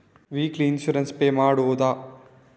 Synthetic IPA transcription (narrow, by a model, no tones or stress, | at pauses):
ʋiːkliinʃuɾɐnspeːmaːɽoːd̪aː